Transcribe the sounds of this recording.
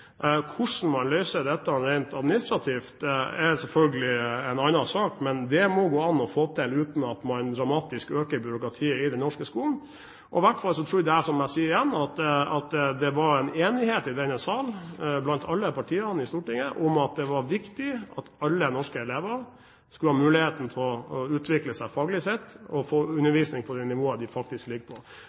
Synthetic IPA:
kʰʊʂɳ̩mɑnlœʏsəd̪ɛt̪ːɑɾɛɪnt̪ɑd̪mɪnɪst̪ɾɑt̪ʰiːft̪ɛsɛlfœlɡəlɪɛnɑnɑsɑːkmɛnd̪ɛmɔɡoːɑnːɔfoːt̪ʰɛlʉːt̪n̩ɑt̪mɑnd̪ɾɑmɑːt̪ɪskøːkəɾbʏɾʊkɾɑt̪ʰiːɪd̪ɛnːɔʂkəskuːln̩ | ʔɔ̰ɪʋæʈfɑlsɔt̪ʰɾuːɾd̪ɛæʂɔmæɪsiːəɾɪjɛnːɑt̪ɑt̪d̪ɛʋɑɾɛneːnɪheːt̪ɪd̪ɛnəsɑːlblɑnt̪ʰɑlːəpʰɑʈʰiːəɾnɪst̪uːʈɪŋːəʔʊmɑt̪̚d̪ɛʋɑɾʋɪkt̪ɪɑ̰t̪ɑlːənɔʂkəɛleːʋəɾ | skʉləhɑːmʉːlɪheːt̪n̩t̪ʰɪlɔʉːt̪ʰʋɪkləsæɪfɑːɡəlɪsɛt̪ːɔfoːʉnːəɾʋiːsnɪŋpʰɔd̪ɛnɪʋoːəd̪ɪfɑk̚t̪ɪsklɪɡːəpʰɔ

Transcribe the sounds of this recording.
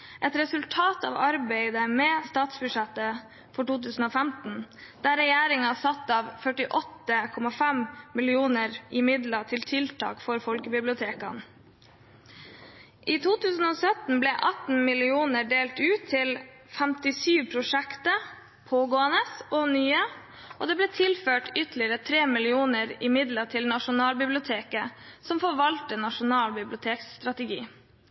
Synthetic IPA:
ʔɛt̪ɾɛsʉlt̪ʰɑːt̪ɑ̰ːʋɑɾbɛɪd̪əmɛst̪ɑːt̪sbʉʂɛt̪ə | fɔʈuːt̪ʉːsn̩oːfæmt̪n̩d̪̥æːɾɛjæːɾɪŋɑsɑt̪ːɑːʋfœʈɪʔɔt̪ːəkʰɔmɑfæmmɪlɪuːnəɾʔɪmɪd̪lɑt̪ʰɪlt̪ʰɪlt̪ʰɑ̰ːkfɔɾfɔlkəbɪblɪʊt̪ʰeːkɑn | ʔiːt̪ʰuːt̪ʰʉːsn̩oːsœt̪n̩blɛːʔɑt̪n̩mɪlɪuːnəɖeːlt̪ʉːt̪ʰːɪl | fɛmt̪ɪsyːʋpʰɾʊʂɛkt̪ə | pʰoːɡoːənəsoːnyːə | ʔoːd̪eːbleːt̪ʰɪlføːʈʏt̪lɪəɾət̪ʰɾeːmɪlɪuːnəɾɪmɪd̪lət̪ʰɪlnɑʂʊnɑːlbɪblɪʊt̪ʰeːkəsɔmfɔʋɑlt̪ənɑʂʊnɑːlbɪblʊt̪ʰeːkst̪ɾɑt̪əɡiː

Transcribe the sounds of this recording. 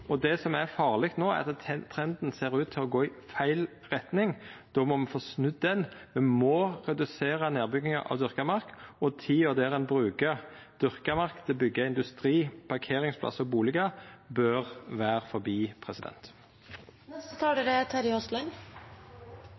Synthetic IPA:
ɔd̪ɛsɔmæfɑːʁlɛkt̪noːæ̰ʁɑt̪t̪ʰɾɛnd̪n̩seːɾʉːt̪ʰːɪlɔɡoːɪfæɪl | ʁɛt̪nɪŋd̪̥ɔːmɔmɛnfoːsnʉd̪ːɛnmɛnmɔʁɛd̪ʉseːʁɑneːbʏɡɪŋɑ̰ʔɑ̰ʋd̪ʏɾkəmɑɾkɔt̪ʰɪɔːd̪ɛʁɛnbɾʉːkɑ | d̪̥ʏʁkəmɑʁkt̪ʰɪlbʏɡːəɪnd̪ʉst̪ɾiːpʰɑʁkʰeːɾɪŋspʰlɑ̰səɔbuːlɪɡɑbœʁʋæːʁfɔɾbiːpʰʁɛsɪd̪ɛ̰nt̪ | nɛst̪ət̪ʰɑːɖɛɾɛt̪ʰæɾɪɔslɔn

